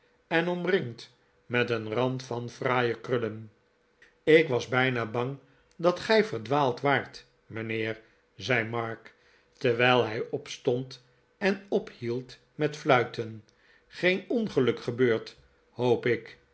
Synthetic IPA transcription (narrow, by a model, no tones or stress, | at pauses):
ɛnɔmrɪŋt | mɛtənrɑntfɑnfraːjəkrɵlən | ɪkʋɑzbɛjnaːbɑŋ | dɑtχɛjvəɹdʋaːlˠtʋaːɹt | mənɪːɹ | zɛjmɑɹk | təɹʋɛɪlˠɦɛjɔpstɔnt | ɛnɔphilˠt | mɛtflœɥtən | χejnɔnχəlɵkχəbøːɹt | howpɪk